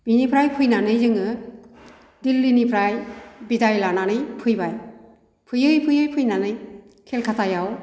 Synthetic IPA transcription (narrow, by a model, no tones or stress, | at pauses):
binipʰɾajpʰɯjnanɯjzɯŋɯ | dilːinipʰɾajbidajlananɯjpʰɯjbaj | pʰɯjɯjpʰɯjɯjpʰɯjnanɯj | kʰelkʰatʰajaw